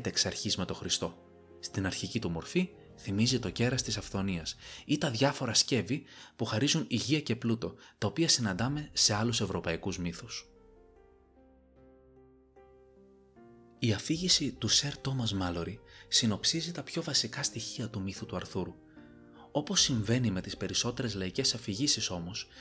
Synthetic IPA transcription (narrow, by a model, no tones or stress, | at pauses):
t̪eksɐɾçizme̞t̪o̞xɾist̪o̞ | st̪inɐɾçicit̪umo̞ɾfi | θimizit̪o̞ce̞ɾɐst̪isɐfθo̞niɐsit̪ɐðʝɐfo̞ɾɐsce̞vipuxɐɾizuniʝiɐce̞plut̪o̞t̪ɐo̞piɐsinɐnd̪ɐme̞se̞ɐluse̞vɾo̞pɐikuzmiθus | iɐfiʝisit̪use̞ɾt̪o̞mɐzmɐlo̞ɾisino̞psizit̪ɐpço̞vɐsikɐst̪içiɐt̪umiθut̪uɐɾθuɾu | o̞po̞sːiɱve̞nime̞t̪ispe̞ɾiso̞t̪e̞ɾe̞zlɐice̞sɐfiʝisiso̞mo̞s